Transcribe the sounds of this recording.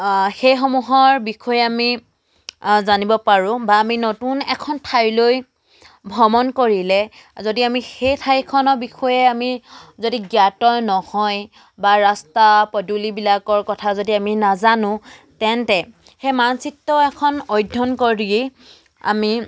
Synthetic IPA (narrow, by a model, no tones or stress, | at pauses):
xejxɔmuɦɔɹbikʰɔjɛami | zanibɔpaɹʊ̃baːminotunɛkʰɔntʰajloj | bʱɔmɔnkoɹilɛ | zodiamixejtʰajkʰɔnɔɹbixʰɔjɛamizodiɡjatɔɹnɔhɔj | baɹastapɔdulibilakɔɹkɔtʰazodiaminazanʊ̃ | tɛntɛ | xemansitːɔɛkʰɔnɔjdʱːɔnkɔɹii | a̰mi